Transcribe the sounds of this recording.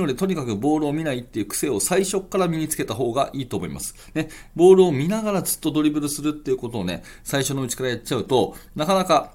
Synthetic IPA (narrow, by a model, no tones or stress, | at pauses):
o̞d̪et̪o̞ɲ̟ikakɯ̟bo̞ːɾɯ̟omʲinait̪ːe̞jiɯ̟ːkɯ̥se̞ːo̞saiɕo̞kːaɾamʲiɲ̟it͡sɨ̥ke̞t̪aɦo̞ːɡaʔiːt̪o̞ːmo̞ḭmʔa̰sɨ̥ | ne̞ | bo̞ːɾɯ̟omʲinaɡaɾad͡zɨ̥t̪ːo̞d̪o̞ɾʲibɯ̟ɾɯ̟sɨɾɯ̟t̪ːe̞jiɯ̟ko̞t̪o̞ːne̞̰ | saiɕo̞noɯ̟t͡ɕi̥kaɾajat͡ɕt͡ɕːaɯ̟t̪o̞nakanaka